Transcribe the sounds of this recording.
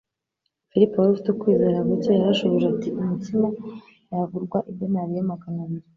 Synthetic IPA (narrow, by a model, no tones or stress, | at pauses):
filipowaɾufi̥tukwiːze̞ːɾaβutojaɾaʃoβoʒeatiumutima | javuɾɡwaʔibɟonaβijamaɡanaβiɾi